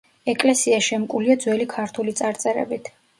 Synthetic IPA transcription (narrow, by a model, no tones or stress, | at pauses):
ɛkʼlɛsiaʃɛmkʼuliad̪zwɛlikʰaɾt̪ʰulit̪sʼaɾt̪sʼɛɾɛ̰bit̪ʰ